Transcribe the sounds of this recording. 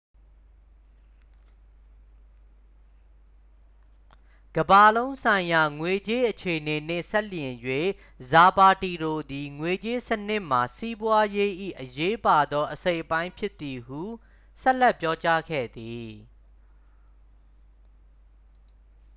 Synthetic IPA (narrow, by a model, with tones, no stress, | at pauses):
ɡ̥əba˨lõ˦ʊ̃sʰã˨ɪ̃ja˨ŋwe˨t͡ɕe˦ʔət͡ɕʰe˨ʔəne˨n̥ɪ̰̃˦˨sɛ˦ljɪ̃˨jwe˦˨ | za˨ba˨ti˨ɾo˨d̪i˨ŋwe˨t͡ɕe˦sənɪ˦ʔm̥a˨si˦bwa˦je˦ʔḭ˦˨ʔəje˦pa˨d̪ɔ˦ʔəse˦ɪʔəpã˦ɪ̃mpʰjɪ˦t̪ːi˨hu˦˨ | sɛ˦ʔlɛ˦˨pːjɔ˦t͡ɕa˦ɡɛ̰˦˨d̪i˨